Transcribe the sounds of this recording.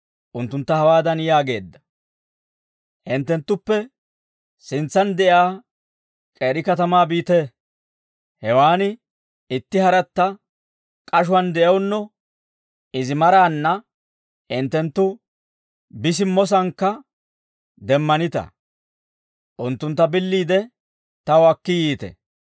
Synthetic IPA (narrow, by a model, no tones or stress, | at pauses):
ʔʊnt̪ːʊnt̪ːɐhɐwaːd̪ɐnjaːɡe̞ːd̪ːɐ̥ | hɪnt̪ːɛnt̪ːʊpːɛ | sɪnt͡sːɐnd̪ɛʔaː | kʼeːɾɪkɐt̪ɐmaːbiːt̪ɛ | hɛwaːnɪ | ɪt̪ːɪhɐɾɐt̪ːɐ | kʼɐʃ̬ʊɐnd̪ɛʔɛwʊnːɔ | ɪzɪmɐɾaːnːɐ | ɪnt̪ːɛnt̪ːʊ | bɪs̬ɪmːɔs̬ɐŋkːɐ | d̪ɛmːɐnɪt̪ɐ̰ | ʔʊnt̪ːʊnt̪ːɐbɪlːiːd̪ɛ | t̪ɐwɐkːɪjiːt̪ɛ̰